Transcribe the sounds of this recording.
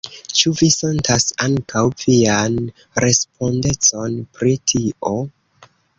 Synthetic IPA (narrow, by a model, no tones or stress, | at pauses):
t͡ʃuvise̞ntʰasaŋkʰawvian | ɾe̞spo̞nde̞t͡so̞npɾitʰio̞